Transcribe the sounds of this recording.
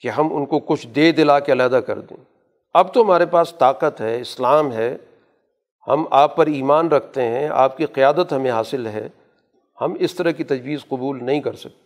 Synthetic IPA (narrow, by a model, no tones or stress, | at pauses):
keɦɐmʊ̰nkokʊt͡ʃʰd̪eːd̪ɪlaːkeɐlaːd̪akɐ̰ɾd̪ḛ̃ː | ɐb̚t̪oɦɐmaːɾepaːst̪aːqət̪ɦɛːɪslaːmɦɛː | hɐ̰maːpːɐɾiːmaːnɾɐkʰt̪eɦɛ̃a̰ːp̚kiqɪjaːd̪ət̪ɦɐmẽɦaːsɪlɦɛ̰ː | hɐmɪst̪ɐɾakit̪ɐd͡ʒwiːzqʊbuːlnɐɦĩkɐɾsɐ̥k̚t̪e